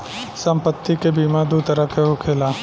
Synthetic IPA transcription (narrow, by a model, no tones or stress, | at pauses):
sɐ̃mpət̪ːikebiːmad̪ut̪əɾəkeɦʊkʰeːlaː